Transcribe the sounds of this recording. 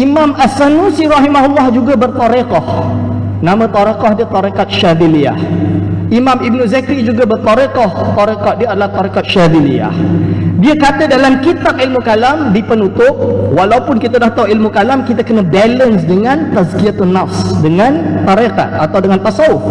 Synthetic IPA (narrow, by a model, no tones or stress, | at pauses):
ʔimãmʔasanusiɾɑɦimaɦulːɑhd͡ʒuɡabərt̪ɑɾekɑh | nãmə̃t̪ɑɾekɑhdiət̪ˤɑɾekat̪̚ʃavilia̰hʔimãmibnuzakɾid͡ʒuɡabərt̪ɑɾekɔht̪ɑɾekat̪̚diaadalaht̪aɾekat̪̚ʃavilia̰hdiakat̪ədalamkit̪ak̚ilmukalamdipənut̪ʊp̚walawpʊnkit̪adaht̪awilmukalamkit̪akənabɛlənsdəŋãnt̪azkiat̪unafsdəŋant̪aɾeka̰t̪̚at̪awdəŋant̪asau